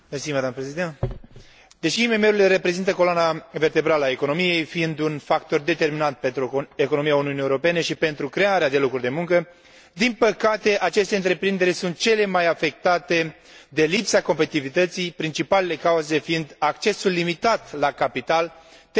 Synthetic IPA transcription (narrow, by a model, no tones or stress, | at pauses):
mesimad̪aməpɾezid̪ent̪ | d̪e̞ʃiːme̞me̞ulileɾe̞pɾe̞zint̪əko̞lanave̞rt̪e̞bɾaləae̞ko̞no̞mije̞jfiind̪unfakt̪o̞rd̪e̞t̪e̞rminant̪̚pent̪ɾue̞kono̞mijauniunijewoɾo̞pe̞ne̞ʃipe̞nt̪ɾukɾe̞aɾead̪e̞lo̞kɾurʲd̪e̞muŋkə | d̪inpəkat̪e̞ʔat͡ʃe̞st̪e̞ɨnt̪ɾe̞pɾind̪e̞ɾʲsunt̪̚t͡ʃe̞le̞majafe̞k̚t̪at̪e̞ | d̪e̞lipsako̞mpet̪it̪ivit̪ət̪sijpɾint͡ʃipale̞le̞kauze̞fiind̪akt͡ʃe̞sulːimit̪at̪lakapit̪al | t̪